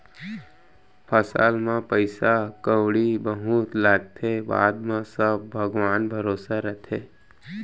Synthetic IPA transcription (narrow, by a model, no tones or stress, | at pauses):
pʰəsa̰ːlmãpəɪsakəwɽibəɦut̪laːɡ̚t̪ʰeba̰ːd̪mãsəb̚bʱəɡʋaːnbʱəɾoːsaɾət̪ʰeː